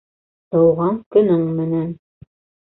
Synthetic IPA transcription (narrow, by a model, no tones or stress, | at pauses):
t̪ɤ̆wʁɑŋkɵ̆nɵŋmɘ̆næn